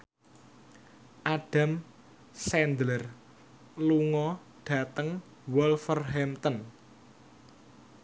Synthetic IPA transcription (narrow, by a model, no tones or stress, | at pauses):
ʔaɖ̥a̤m | sɛnd̪lər | luŋɔ | ɖ̥ä̤t̪əŋ | wɔlfərɦɛmt̪ən